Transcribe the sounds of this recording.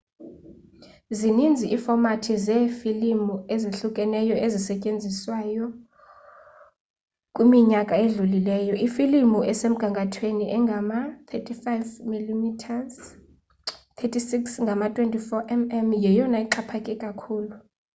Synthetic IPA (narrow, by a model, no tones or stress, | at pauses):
zinind͡zʱiʔiːfɔmatʰizɛfilimueziɬukʼɛnɛjɔʔezisɛcʼend͡zʱiswajɔ | kʼwimiɲakʼaeɮulilɛːjɔifilimuʔɛsem̩ɡ̥ʱaŋɡʱatʰweniʔɛŋɡʱamat̪ʰetʰʼifajvmilimitʰaz | t̪ʰetʰʼisiksŋɡʱamatʼwentʼifɔʔɛmɛmjɛjɔnaiǃapʰakʼɛkʼakʰuːlu